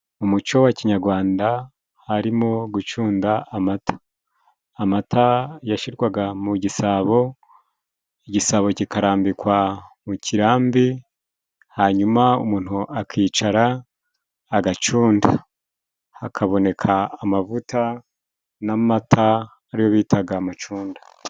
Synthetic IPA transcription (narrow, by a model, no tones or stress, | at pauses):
umut͡ʃo̞waciɲaɾɡwaːnda | haɾimo̞ɡut͡ʃuːndaamatḁː | matʰajaʃiɾɡwaɡamuɟisaːβo̞ | iɟisaːβo̞cikaɾaːmbikwamucʰiɾaːmbi | haɲumaumuːn̥huʔakʰiːt͡ʃaɾaː | ɡat͡ʃuːnda | akʰaβo̞ne̞kʰaːmavutʰa | namatʰaː | ɾijo̞βiːtaɡaːmat͡ʃuːndḁ